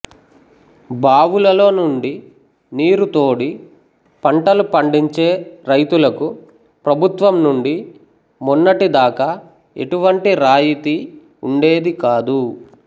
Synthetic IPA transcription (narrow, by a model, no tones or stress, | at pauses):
baːʋulɐlo̞ːnuɳɖi | niːɾut̪o̞ːɽi | pɐɳʈɐlupɐɳɖiɲt͡ʃe̞ːɾɐjt̪ulɐku | pɾɐbʱut̪ʋɐmnuɳɖi | munːɐʈid̪aːkɐa | ḛʈuʋɐɳʈiɾaːjit̪i | uɳɖe̞ːd̪ikaːd̪u